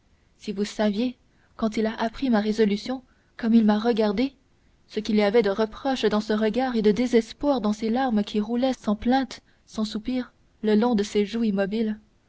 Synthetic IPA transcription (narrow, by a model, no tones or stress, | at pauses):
sivusavje | kɑ̃t̪̬ilaʔapχimaʁezɔlysjɔ̃ | kɔmilmaʁəɡaʁd̪e | səkʲiliavɛd̪əʁəpχɔʃd̪ɑ̃səʁəɡaːʁed̪əd̪ezɛspwaːʁd̪ɑ̃selaʁmkʲʰiʁulɛsɑ̃plɛ̃ːt̪ | sɑ̃supiːʁ | ləlɔ̃d̪əseʒuimɔbil